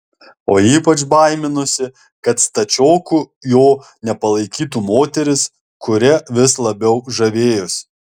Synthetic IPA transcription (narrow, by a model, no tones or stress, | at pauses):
oːiːpɐt͡ʃbɐɪmʲɪnʊsʲɪ | kɐt̪st̪ɐt͡ʃʲoːkujoːnʲɛpɐlˠɐɪkʲiːt̪uːmoːt̪ʲɛɾʲɪs | kʊɾʲɛʋʲɪslˠɐbʲɛʊʒɐʋʲeːjʊs